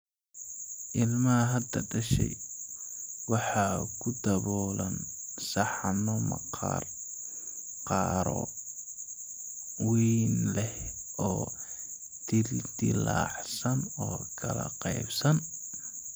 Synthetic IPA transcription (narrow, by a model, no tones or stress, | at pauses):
ʔɪlmɐɐɦɐd̪ɐɖɐʃɛ̰j | wɑħɑːkʰʊd̪ɐβɔːlɐnsɑħnɔmɐ̰qɑr | qɑːɾɔ̰ | wiːnlɛh | ɔː | d̪̥ɪld̪ɪla̰ːʕsɐnɔːkʰɐlɐ̰qɑjbsɐn